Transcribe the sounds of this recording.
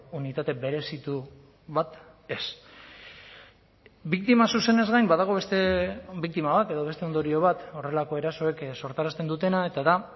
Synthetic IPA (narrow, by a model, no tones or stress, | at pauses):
unit̪at̪e̞be̞ɾe̞sit̪u | βat̪ | e̞s | bikt̪imasuse̞ne̞zɣajmbað̞aɣ̞o̞βest̪ebik̚t̪imaβat̪e̞ðo̞β̞e̞st̪eo̞nd̪o̞ɾio̞βat̪o̞re̞lako̞e̞ɾaso̞e̞kso̞ɾt̪aɾast̪e̞nd̪ut̪e̞nae̞t̪aða